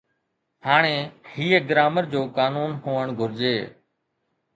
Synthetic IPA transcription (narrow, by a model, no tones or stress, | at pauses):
haːɽ̃eːhiːeɡɾaːməɾd͡ʑoːkaːnuːnɦoːəɳ̃ɡʱʊɾd͡ʒeː